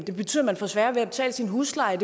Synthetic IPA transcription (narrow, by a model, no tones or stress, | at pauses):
d̥e̝b̥e̝t͡sʰy̰ːð̰ˠɐmænfɒ̽sʋæɐʋeæb̥e̝t͡sʰɛ̰ːləsinɦuːslɑ̈ɪd̥e̝